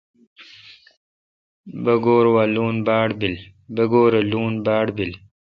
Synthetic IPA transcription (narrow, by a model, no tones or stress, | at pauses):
bɐɡoːɾwaːluːnbaːɽbil | bɐɡoːɾɐluːnbaːɽbil